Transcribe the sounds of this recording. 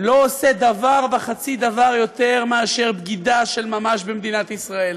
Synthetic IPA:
lo̞osed̪avaʁbeχat͡sid̪avaʁjo̞t̪e̞ʁmeaʃe̞ʁbɡid̪aʃe̞lmamaʃbemd̪inat̪isʁae̞l

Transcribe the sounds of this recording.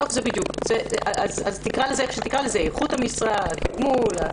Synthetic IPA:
ofzebid̪jukz̥eaʔazazt̪ikʁalezeʃet̪ikʁalezeeχuthamisʁakɡmula

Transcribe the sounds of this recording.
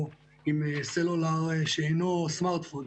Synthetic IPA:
imselolaʁʃeenosmaʁt̪fond̪

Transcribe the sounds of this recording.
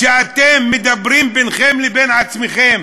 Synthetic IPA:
ʃeat̪emːed̪abɾimbenχemlebenat͡smeχem

